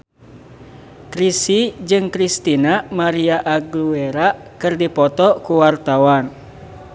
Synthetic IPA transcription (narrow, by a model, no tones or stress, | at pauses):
kɾisid͡ʒɨŋkɾist̪inamaɾiaʔaɡlueɾakɨrdipɔt̪ɔkuwart̪awan